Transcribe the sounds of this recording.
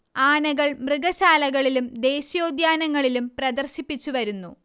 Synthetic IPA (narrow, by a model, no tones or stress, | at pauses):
aːɳɐɣɐɭmrɨɡɐɕaːlɐɣɐɭilumd̪e̞ːɕɐjo̞ːd̪jaːnɐŋːɐɭilumprɐd̪ɐrɕipːit͡ɕːuʋɐɾunːu